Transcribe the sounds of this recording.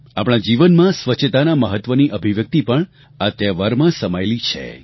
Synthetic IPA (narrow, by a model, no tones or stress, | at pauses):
a̰pɳ̃ad͡ʒiʋənmãsʋəːt͡ʃʰːət̪anaməɦət̪ːʋəniʔəbʱiʋjək̚t̪ipəɳ | at̪jaʋaɾmãsəmajlit͡ʃʰḛ